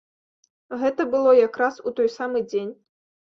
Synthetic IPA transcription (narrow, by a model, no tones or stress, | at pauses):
ɣɛt̪ɐbɨlˠɔjakɾasut̪ɔjsamɨd͡zʲenʲ